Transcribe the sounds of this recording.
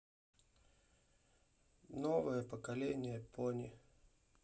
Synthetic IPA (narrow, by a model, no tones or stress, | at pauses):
novəjəpəkɐlʲenʲɪjəponʲɪ̰